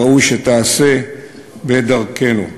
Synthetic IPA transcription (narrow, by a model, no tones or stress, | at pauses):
aujʃet̪aːse | bed̪aʁkenṵ